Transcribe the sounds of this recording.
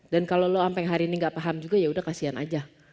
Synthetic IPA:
dankaloloampɛŋɦaɾiniŋɡaʔpaɦamd͡ʒuɡajaudahkasiana̰d͡ʒa

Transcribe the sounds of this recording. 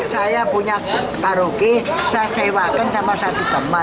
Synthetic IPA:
sajapuɲa | kaɾukesasewakənsamasat̪ut̪əma

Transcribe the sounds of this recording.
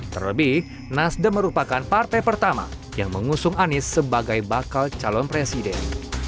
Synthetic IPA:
t̪ərəbi | nasdəməɾupakanpart̪ajpərt̪ama̰ | jaŋməŋusʊŋanɪsːəbaɡajbakalt͡ʃalɔnpɾesidɛ̰n

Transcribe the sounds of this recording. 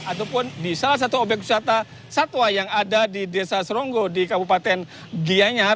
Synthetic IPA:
at̪aupʊnbisalas̬at̪uobɛk̚u̥sat̪a | sat̪wajaŋadadidesasəɾɔŋɡɔdikabupat̪ɛn | ɡiaɲa

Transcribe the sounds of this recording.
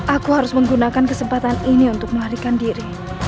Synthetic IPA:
ʔakuɦaɾʊsməŋɡunakankəsəmpat̪aniniunt̪ʊk̚məɦaɾikandiɾi

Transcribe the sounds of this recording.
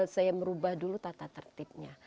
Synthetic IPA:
sajaməɾubahdulut̪at̪at̪ərt̪ɪp̚ɲa

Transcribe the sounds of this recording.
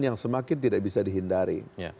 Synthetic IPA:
jaŋsəmakɪnt̪idaʔbisadiɦindaɾḭj

